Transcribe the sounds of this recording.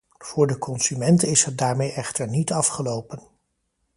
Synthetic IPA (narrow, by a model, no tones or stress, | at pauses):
v̥ʊːɹdəkʰɔnsymɛntɪsət̚daːɹmejʔɛχtəɹnitɑfχəlowpən